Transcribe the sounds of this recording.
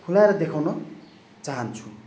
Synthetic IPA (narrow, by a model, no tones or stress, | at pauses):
kʰulaeɾʌd̪ekʰawnʌ | t͡saɦʌnt͡sʰu̥